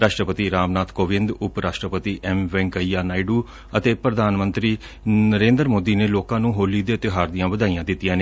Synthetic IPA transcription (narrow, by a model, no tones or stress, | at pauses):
ɾaːʃʈɾəpət̪iːɾaːmnaːt̪koːʋɪ̃nd̪ʊpɾaːʃʈɾəpət̪iːʔɛmʋɛ̃ŋkəiːjaːnaːiɖuː | ət̪eːpɾəd̪ʱaːnmənt̪ɾiː | nəɾẽːnd̪ɾmoːd̪iːneːloːkãːnũːɦoːliːd̪eːt̪eɦaːɾd̪ijãːʋəd̪aːijãːd̪ɪt̪ːijãːne